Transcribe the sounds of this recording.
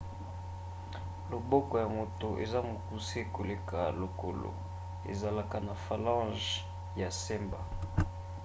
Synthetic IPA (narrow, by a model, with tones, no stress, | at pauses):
lo˨bɔ˦kɔ˨ja˨mo˨to˨ʔḛ˨za˦mo˨ku˦si˦e˦˨ko˨le˦ka˨lo˨ko˨lo̰˨ | ḛ˨za˨la˨ka˨na˨fa˨lã˦ʒ | ja˨sɛ˦mba˨